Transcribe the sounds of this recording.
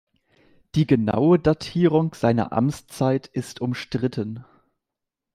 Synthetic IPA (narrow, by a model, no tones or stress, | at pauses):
d̥iːɡəna̰ʊədatʰiːʁ̞ʊŋz̥aɪnɐ̰ʔa̰mt͡st͡saɪtʔɪstʰʊmʃtʁ̥ɪtʰən